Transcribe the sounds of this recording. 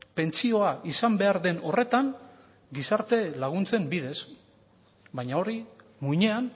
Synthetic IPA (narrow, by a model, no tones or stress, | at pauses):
pe̞nt͡sio̞aʔisambe̞aɾðe̞no̞re̞t̪aŋ | ɡisaɾt̪e̞laɣ̞unt͡se̞mbið̞e̞s | bajɲao̞ɾi | muɲe̞an